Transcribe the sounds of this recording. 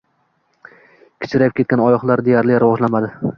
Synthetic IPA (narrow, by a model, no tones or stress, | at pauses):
kʲʰɪ̥t͡ʃʰɪɾajpkʲe̞t̪̚kʲanɒjɒχlˠaɾd̪e̞jaɾlɪɾɪvɒʒlanmad̪ɪ